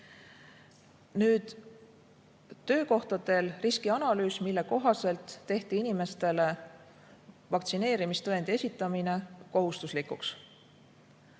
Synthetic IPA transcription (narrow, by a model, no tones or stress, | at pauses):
nyːd̪̥ | t̪ːø̞ːko̞ht̪ɑd̪e̞lriskiɑnɑlyːsmilːe̞ko̞ɦɑse̞lt̪ːe̞ht̪iinime̞st̪e̞le̞ | vɑk̚t̪sine̞ːɾimist̪ɤend̪e̞sʲit̪ːˑɑmine̞ko̞ɦust̪uslikuks